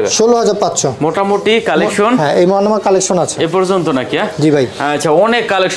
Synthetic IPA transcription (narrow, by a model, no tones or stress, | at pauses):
ʃoloɦad͡ʑaɾpatːɕʰʃʰomoʈamoʈikalekʃonɦɛ̃ʔejmɔanomakalekʃonat͡ɕʰeepɔɾd͡ʑont̪onakiad͡ʑibʱajɦatːt͡ɕʰaɔnekːalekʃ